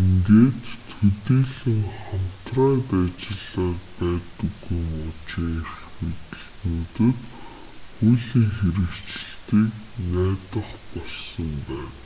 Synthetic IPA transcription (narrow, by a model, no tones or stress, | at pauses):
iŋɡeːt̪ʰːɵt̪iːɮɘ̆ŋχam̥t̪raːt̪at͡ɕɪ̆ɮaːpæːt̪ɵ̆ɣujmʊt͡ɕiːŋerxmet̪ɘ̆ɮnuːt̪ɘ̆t̪ | χujɮiːŋxeɾɘ̆kt͡ɕɪ̆ɬt̪iːknæːt̪ə̆χpɔɮsɞ̆mpæːn